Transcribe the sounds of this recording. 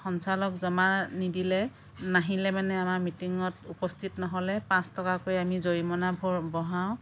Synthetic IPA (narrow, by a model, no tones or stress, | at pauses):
xɔnsalɔkzɔmaɹnidilɛ | naɦilɛmanɛamaɹmitiŋɔtupɔstʰitnɔɦɔlɛpãstɔkakojamizoɹimɔnabʱɔɹbɔɦaw̃